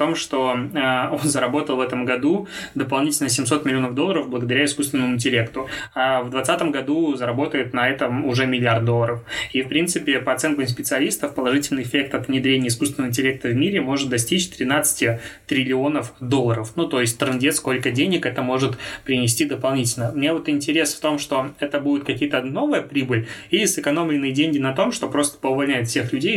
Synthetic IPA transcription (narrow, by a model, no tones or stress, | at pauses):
t̪o̞mʂt̪o̞əo̞nzəɾɐbo̞t̪əlˠvɛt̪əmɡɐd̪ud̪əpɐlˠnʲitʲɪlʲnəsʲɪmso̞t̪mʲɪlʲɪo̞nəvd̪olːˠəɾəvbləɡəd̪ɐɾʲaɪskust̪vʲɪnəmʊɪnʲtʲɪlʲe̞kt̪ʊavd̪vɐt̪sat̪əmɡɐd̪uzəɾɐbo̞t̪əjɪt̪nɐɛt̪əmʊʐɛmʲɪlʲɪard̪̚d̪o̞lˠːəɾəfifpɾʲint̪sɨpʲɪpəɐt̪sɛnk̪əmspʲɪt̪sɨɐlʲist̪əfpəlˠɐʐɨtʲɪlʲnɨɪɪfʲe̞k̚t̪ɐt̪vnʲɪd̪ɾʲenʲɪəɪs̬kust̪vʲɪnəvɪnʲtʲɪlʲek̚t̪əvmʲiɾʲɪmo̞ʐɨt̪̚d̪ɐsʲtʲit͡ɕt̪ɾʲɪnat̪sɨ̥tʲɪt̪ɾʲɪlʲɪo̞nəfd̪o̞lˠːəɾəfnut̪o̞jɪsʲtʲt̪ɾɨndʲet̪sko̞lʲkədʲenʲɪkɛt̪əmo̞ʐɨt̪pɾʲɪnʲɪsʲtʲid̪əpɐlˠnʲitʲɪlʲnəmnʲevot̪ɪnʲtʲɪɾʲe̞sft̪o̞mʂt̪o̞ɛt̪əbudʲɪt̪kɐkʲijət̪əno̞vɨjəpɾʲibɨlʲilʲɪsɨkɐno̞mlʲɪnːɨjədʲenʲɡʲɪnɐt̪o̞mʂt̪o̞pɾo̞st̪ə̥pəʊvɐlʲnʲæjɪt̪fsʲe̞xlʲʉdʲej